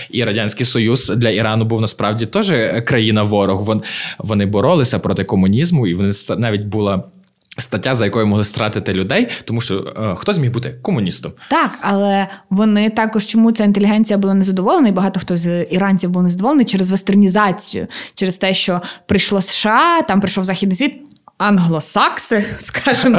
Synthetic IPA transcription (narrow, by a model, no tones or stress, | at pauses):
iɾɐdʲanʲsʲkijsɔjuzd̪lʲɐiɾɑnʊbuwnɐspɾɑwdʲit̪ɔʒɛkɾɐjinɐʋɔɾɔɣʋɔʋɔnɪbɔɾɔlˠɪsʲɐpɾɔt̪ɪkɔmʊnʲizmʊiʋɔnɪst̪nɑʋʲitʲbulˠɑ | st̪ɐtʲːazɐjɐkɔjʊmɔɦlˠɪst̪ɾɑt̪ɪt̪ɪlʲʊd̪ɛjt̪ɔmuʃt͡ʃɔ̰xt̪ɔzʲmʲiɦbut̪ɪkɔmʊnʲist̪ɔmt̪ɑkɐlˠɛʋɔnɪt̪ɑkɔʃt͡ʃɔmut͡sʲaint̪elʲiɦɛnʲt͡sʲijɐbʊlˠɑnɛzɐd̪ɔʋɔlˠenɐibɐɦɑt̪ɔxt̪ɔzʲiɾɑnʲt͡sʲiwbulˠnɛzɐd̪ɔʋɔlˠent͡ʃɛɾezʋest̪ernʲizɑt͡sʲijʊ̰t͡ʃɛɾɪst̪ɛʃt͡ʃɔpɾɨjʃlˠɔsʃɑt̪ɑmpɾɪjʃɔwzɑxʲid̪nɪjsʲʋʲit̪̚ | ɑnɦlˠɔsɑksɪskɑʒɪm